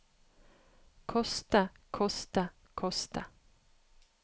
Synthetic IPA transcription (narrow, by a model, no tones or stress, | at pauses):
kʰɔst̪əkʰɔst̪ə | kʰɔst̪ə